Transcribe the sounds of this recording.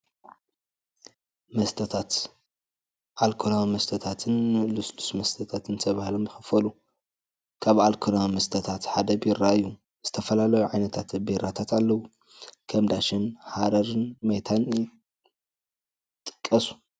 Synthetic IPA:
mɐst̪ʰɐt̪ʰat̪ | ʔalkʰonamɐst̪ʰɐt̪ʰat̪ʰɨnlusd̪u̥smɐst̪ʰɐt̪ʰat̪ʰɨnt̪ʰɐβahlomjɨxɨfɐlu | kʰaβalkʰonamɐst̪ʰɐt̪ʰat̪ħad̪ɐbiɾaɨjːu | z̥ɨt̪ʰɐfɐlalɐjuʕajnɐt̪ʰat̪biɾat̪ʰat̪alːɐwu | kʰɐmd̪aʃɪnhad̪ɐɾɨnmɐjt̪ʰan | t̪ʼɨ̥kʼːɐsu̥

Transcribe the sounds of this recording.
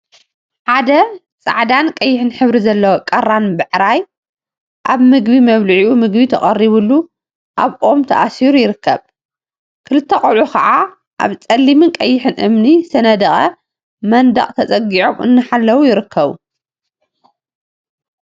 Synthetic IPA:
ħad̪ɐ | t͡sʼa̰ʕd̪ankʼɐjːɪħɨnħɨβɾizɐlːɐwokʼɐrːanbɨʕɾaj | ʔaβmɨɡbimɐβlɨʕiʔumɨɡbit̪ʰɐχʼɐrːiβulːu | ʔaβʔo̞mt̪ʰɐʔasiɾujɪɾɨkʰːɐβ | kʰɨlɨt̪ʰːɐkʼolʕukʰɐ̰ʔa | ʔa̰βt͡sʼɐlːimɨnkʼɐjːɪħɨnʔɨ̰mnisɐnɐd̪ɐχʼɐ | mɐnd̪ɐ̰qʼt̪ʰɐt͡sʼɐɡiʕomɨ̰nːɨħalːɐwujɪɾɨkʰːɐβṵ

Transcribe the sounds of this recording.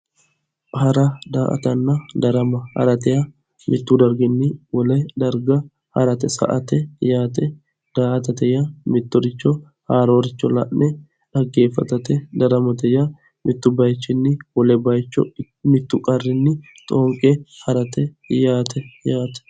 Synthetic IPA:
hɐɾɐd̪aːʔɐ̰t̪ɐnːɐd̪ɐɾɐmɐhɐ̰ɾɐt̪ɛjɐ | mɪt̪ːʊd̪ɐɾɡɪnːɪwɔlɛd̪ɐɾɡɐ | hɐ̰ɾɐt̪ɛsɐ̰ʔɐt̪ɛjaːt̪ɛ | d̪̥aːʔɐt̪̬ɐt̪ɛjɐmɪt̪ːʊɾɪt͡ʃːɔ | haːɾoːɾɪt͡ʃːɔlɐ̰ʔnɛ | ᶑɐɡːeːfːɐt̪ɐt̪ɛd̪ɐɾɐmɐt̪ɛjɐ | mɪt̪ːʊbɐjt͡ʃːɪnːɪwɔlɛbɐjt͡ʃːɔ̰ | mɪt̪ːʊkʼɐrːɪnːɪ | t̪ʼoːŋkʼɛhɐɾɐt̪ɛ | jaːt̪ɛjaːt̪ɛ̥

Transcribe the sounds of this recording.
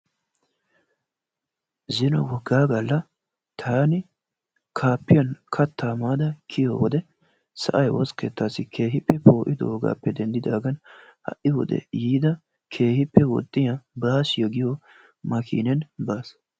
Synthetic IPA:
zɪnɔ̰wɔɡaːɡɐlːɐ | t̪ʰaːnɪ | kʰaːpːɪjɐnkʰɐt̪ːaːmaːd̪ɐkʰɪjo̰wɔd̪ɛ | sɐ̰ʔɐjwɔskḛːt̪ːaːsɪkʰe̞ːɦɪpːɛpʰo̞ːʔɪd̪ɔ̰ːɡa̰ːpːɛd̪ɛnd̪ɪd̪aːɡɐnhɐ̰ʔɪwɔ̰d̪ɛ̰jiːd̪ɐ | kʰe̞ːhɪpːɛwɔ̰t̪ʼːɪjɐbaːsjɛɡɪjo | mɐkʰḭːnɛnbaːs

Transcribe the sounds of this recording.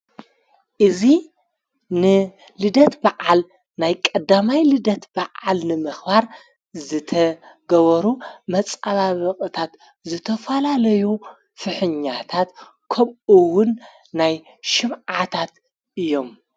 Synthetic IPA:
ʔɨzi | nɨ | lɨd̪ɐt̪baʔal | najkʼɐd̪amajlɨd̪ɐt̪baʕalnɨmɨxbaɾ | zɨt̪ʰɐɡɐβɐɾumɐt͡sʼaβaβɐqʼɨt̪ʰat̪ | zɨt̪ʰɐfɐlalɐju | fɨħɨɲːat̪ʰat̪ | kʰɐβɨwʊnː | aj | ʃɨmʕat̪ʰat̪ | ʔɨjːo̞m

